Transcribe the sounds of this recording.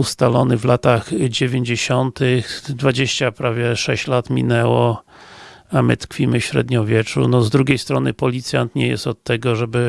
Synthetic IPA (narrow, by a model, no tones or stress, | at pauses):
ust̪alɔnɘvlat̪axd͡ʑevʲeɲd͡ʑeɕɔnt̪ɪxd̪vad͡ʑeɕt͡ɕapɾavʲjɛʂɛɕt͡ɕlat̪mʲḭnɛwɔ | amɘ̰t̪kfʲimɘfɕɾɛ̰d̪ɲɔvʲjɛt͡ʂṵnɔzd̪ɾuɡʲejst̪ɾɔnɘpɔlʲit̪sʲjant̪ɲɛjɛ̰st̪ɔt̪ːɛɡɔʐɛbɘ